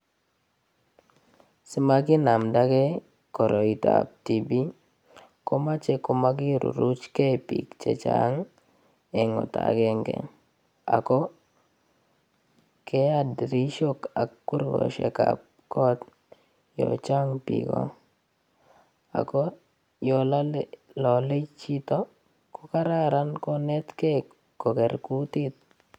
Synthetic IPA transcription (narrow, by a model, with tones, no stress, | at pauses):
si˦ma˦ɡi˦na˨mda˦ɡe˦ | kɔ˨ɾo˨i˨taa˨p̚ti˨bi˦ | ko˦ma˦t͡ʃɛ˦ko˦ma˦ɡ̬i˦ɾṵ˨ɾu˦t͡ʃkɛ˦pi˨kt͡ʃe˨t͡ʃa˦ŋ | ɛ˨ŋɔ˨ta̰˨ɡe˦ŋɡḛ˨ | a˨kɔ˦ | ke˦adɾi˦ʃoka˨kːu˦ɾɡɔ̰˨ʃḛka̰p̚ | kɔ˦t̪ | jɔ̰t͡ʃa˦ŋpḭɡɔ̰˦ | a̰˨kɔ˦ | jɔ˨la˦llɔ˨le˦t͡ʃi˦t̪ɔ˦ | ko˦ka˦ɾa˦ɾa˦nkɔ˦nɛ˦t̪ke | ko˨kɛ˨ɾku˦t̪i˦t̪̚